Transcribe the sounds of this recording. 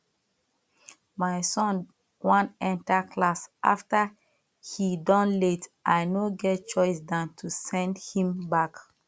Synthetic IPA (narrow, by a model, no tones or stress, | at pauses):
majsɔ̃n | wãnɛ̃ntakʰlasʔa̰ftə | hidɔ̃nletʔajnoɡɛt̚t͡ʃɔɪsdãntʰusɛ̃ndhĩmbak